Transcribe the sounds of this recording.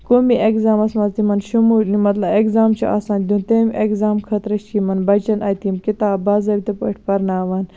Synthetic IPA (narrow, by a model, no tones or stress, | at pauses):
komiʔekzaːmɐsmɐzt̪imɐnʃumuːlnimɐt̪lɐbekzaːmt͡ʃʰuʔa̰ːsaːnʲd̪unt̪emʲʔekzaːmkʰɐt̪ɾɐʃkimɐnbɐt͡ʃɐnʔɐ̰ːt̪imkit̪aːbaːzɐbʲit̪ɐpɐ̰ʈʰʲpɐɾnaːʋɐn